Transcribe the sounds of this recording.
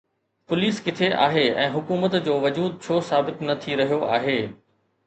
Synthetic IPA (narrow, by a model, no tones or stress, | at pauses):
pʊliːskɪt̪ʰeʔa̰ːɦeɛ̰̃ːɦʊkuːmət̪d͡ʑoːʋɐd͡ʑuːd̪̚t͡ɕʰoːsaːbɪt̪nɐt̪ʰiɾɐɦijoʔa̰ːɦeː